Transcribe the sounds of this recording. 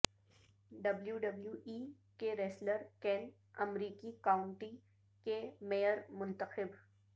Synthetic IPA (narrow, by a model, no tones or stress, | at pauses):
ɖɐbljuɖɐbljuʔiː | keɾɛːsləɾkɛ̃ːn | ɐmɾiːkikaːʊɳʈi | kemejəɾmʊ̃nt̪əxɪb